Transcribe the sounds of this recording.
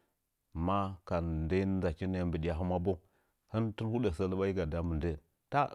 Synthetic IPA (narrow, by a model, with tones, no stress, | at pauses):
ma˦ka˨n˨da˦za˨ki˦n˨a˦mbə˨ɗi˨ja˨ɦu˦ma˦bo˦ | hə˦ntu˦lhu˦de˨sə˦lə˦ɓa˦ji˦ɡa˨da˦mə˨nde˦ | ta˦